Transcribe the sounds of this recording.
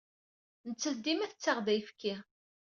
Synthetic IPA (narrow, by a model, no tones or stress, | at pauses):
nət͡sːəθd̪imæθət͡sːaʁðæjfkːi